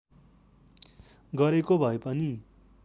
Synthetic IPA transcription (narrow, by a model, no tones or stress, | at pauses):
ɡʌɾekobʱʌepʌni